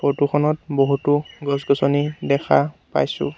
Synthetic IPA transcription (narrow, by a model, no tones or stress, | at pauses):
potukʰɔnɔt̚boɦutʊɡɔsɡɔsɔnidɛkʰapa̰jsʊ̰̃